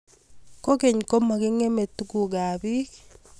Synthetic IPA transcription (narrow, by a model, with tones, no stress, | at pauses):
ko˦ke˨ɲko˦ma˨ɡe˦ŋe˦me˨tu˦ku˨ɡa˨bi˦